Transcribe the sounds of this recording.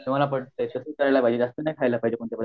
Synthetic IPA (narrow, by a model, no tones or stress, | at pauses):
emalapəɽt̪ek̪əsəkəɾalapaid͡ʑed͡zast̪ənajkʰajlapaɦid͡ʑekoɳt̪japəd̪